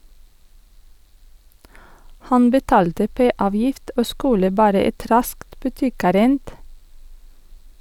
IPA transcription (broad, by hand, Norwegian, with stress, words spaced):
ˈhɑn bəˈtɑːltə ˈpeː ˈɑːʋjɪft ˈoː ˈskʉlə ˈbɑːɾə ˈɛt ˈɾɑskt bʉˈtɪˌkæːɾənd